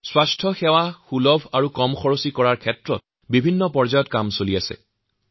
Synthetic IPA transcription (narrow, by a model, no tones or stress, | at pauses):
swastʰɔxɛwaxulɔbʱaɹukɔmxʰɔɹosikɔɹaɹkʰɛtɹɔ̰t̚ | bibʱinːɔpɔɹzajɔtkamsoliasɛ̰